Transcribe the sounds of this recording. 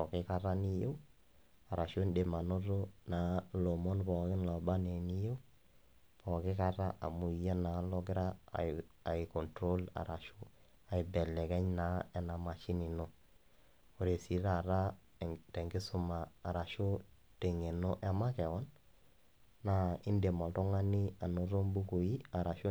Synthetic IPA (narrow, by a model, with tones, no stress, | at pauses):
pɔ˨kɪ˦ka˦ɾa˦ni˦je˦w | a˨ɾa˨ʃo˦nde˨ma˨no˦ɾo˦na˨˦lo˨mɔ˦npɔ˨kɪ˦nla˨ba˦ne˨ni˦je˦w | pɔ˨kɪ˦ka˦ɾa˦ʔa̰˨mu˨i˨ja˦na˨˦lɔ˦ɡɪ˦ɾa̰˦ | a˨ɪ˨kɔ˨ntɾo˦la̰˨ɾʔa˨ʃo˦ | a˨ɪ˨bɛ˨lɛ˨kɛ˦ɲna˦ɛ˨na˨ma˨t͡ʃɪ˦nɪ˨no˦ | o˨ɾe˨si˨ɾa˨ɾa˦ | tɛ˨ŋɡɪ˦sʊ˦maː˨ɾa˨ʃo˦ | te˨ŋe˨no˦ʔa˨˦ma˦kɛ˨wɔ˦n | a˨˦ɪ˦nde˨mɔ˨tɔ˦ŋa˦ni˦a˨no˨ɾo˦mbu˦ko˨i˦a˨ɾa˨ʃo˦